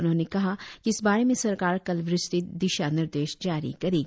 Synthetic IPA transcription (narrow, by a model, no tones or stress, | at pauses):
ʊnɦõːnekɐɦakiɪsbaːɾemẽsɐɾkaːɾkɐlʋɾɪst̪id̪ɪʃanɪɾd̪eːʃd͡ʒaːɾḭkɐɾeːɡ